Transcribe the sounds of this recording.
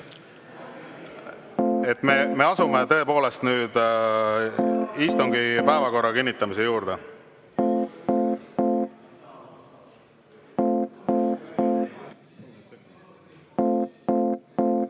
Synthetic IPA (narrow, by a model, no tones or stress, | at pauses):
et̪ːˑmeme̞ɑsume̞t̪ɤ̞e̞po̞ːle̞st̪nyːd̪̥ | iːst̪uŋɡipæevɑko̞rːɑkinʲːit̪ːˑɑmis̬ejuːɾd̪̥e